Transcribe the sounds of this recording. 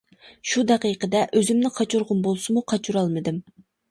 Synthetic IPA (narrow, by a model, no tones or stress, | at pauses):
ʃud̪ɛqijqʰəd̪ɛʔøzymnɪqʰɑt͡ʃʰuɾʁʊnbolˠsɨmuqʰɑt͡ʃʰuɾɑlˠmɨd̪ɪm